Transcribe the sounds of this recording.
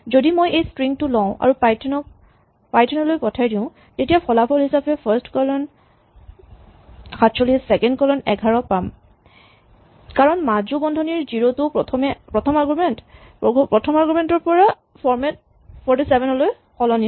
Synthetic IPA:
zodimojejstɹiŋtʊlɔ̃ʊ̃ʔa̰ɹupajtʰnɔ | pajtʰɔnɔlojpɔtʰajdĩʊ̃ | tetijapʰɔlapʰɔlɦisapɛpʰɛstkɔlɔn | xatsoliɛsɛkɛndkɔlɔnɛɡʱaɹɔpam | kaɹɔnmad͡ʒubɔndʱɔniɹziɹotʊpɔtʰɔmɛpɹɔtʰɔmaɡumɛnt | pɹɔtʰɔmaɡumɛntɔɹpɔɹa | pʰɔɹmɛt | pʰɔɹtisɛbɛnɔloj | xɔlɔni

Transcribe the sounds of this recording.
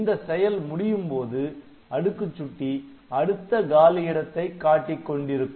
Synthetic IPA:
nd̪ɐsɛjɐlmʊɽɪjɯmpoːðɯ | ɐɽɯkːɯt͡ʃːʊʈːi | ɐɽɯt̪ːɐɡaːlɪjɪɽɐt̪ːɐɪkːaːʈːɪkːɔɳɖɪɾɯkː

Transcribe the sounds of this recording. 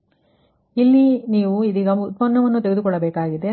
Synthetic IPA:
ilːiniːʋuid̪iːɡɐut̪̚pɐnːɐʋɐnːut̪eɡed̪ukɔɭːɐbeːkaːɡid̪e̞

